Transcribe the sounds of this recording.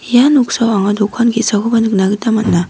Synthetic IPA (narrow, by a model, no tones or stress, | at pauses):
januk̚sawaŋadɔkʰanɡisakɯbanɯk̚naɡɯtamat̚na